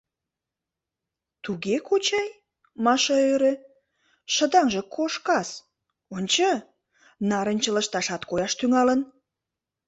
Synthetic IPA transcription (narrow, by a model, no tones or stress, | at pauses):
t̪uɣekot͡ɕɑj | mɑʃɑøɾe | ʃə̆d̪ɑŋʒə̆kʰoʃkɑs | onʲt͡ɕə | nɑɾənʲt͡ɕələ̆ʃt̪ɑʃɑt̪kojɑʃt̪yŋɑlən